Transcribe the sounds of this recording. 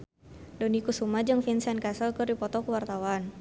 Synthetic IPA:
dɔnikusumad͡ʒɨŋfinsɛnkasəlkɨrdipɔt̪ɔkəwart̪awan

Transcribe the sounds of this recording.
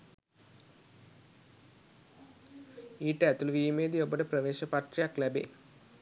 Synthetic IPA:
iːʈːæt̪ːuluʋiːmeːd̪ijobɐʈəprɐʋeːʃɐpaʈrijaklæbḛː

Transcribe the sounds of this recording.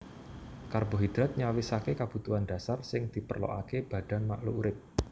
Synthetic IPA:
karboɦid̪̥ɾat̪̚ɲawɪsakekab̥ṳt̪uanda̤sarsɪŋd̪̥i̤pərlo̰ʔakeb̥a̤d̥a̤nmaʔluuɾɪp̚

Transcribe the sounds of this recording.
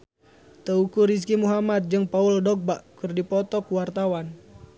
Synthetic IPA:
t̪əukuɾis̬kimuɦamat̪̚d͡ʒɨŋpauldɔk̚baʔkɨrdipɔt̪ɔkuwart̪awan

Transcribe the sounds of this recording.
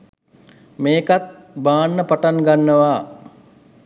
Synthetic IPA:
meːkat̪̚ | baːnːəpaʈaŋɡanːəʋaː

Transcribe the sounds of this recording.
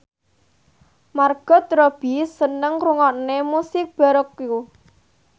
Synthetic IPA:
marɡ̥ɔ̤d̪ɾɔb̥isənəŋkɾuŋɔʔnemusɪk̚b̥a̤ɾəkju

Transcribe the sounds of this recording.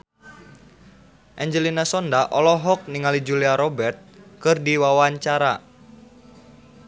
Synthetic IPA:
ʔɛɲd͡ʒəlinasɔndaʔɔlɔɦɔk̚niŋalid͡ʒuliaɾɔbɛrt̪̚kɨrdiwawaɲt͡ʃaɾa

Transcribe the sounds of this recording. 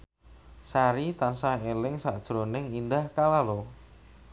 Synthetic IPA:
saɾit̪ansaɦelɪŋsaʔd̥ʒ̥ɾonɪŋindahkalalo

